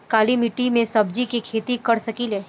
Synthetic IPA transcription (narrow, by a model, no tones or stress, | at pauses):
kaːlimɪʈimẽsɐbd͡ʒikikʰeːt̪ikɐɽsɐkileː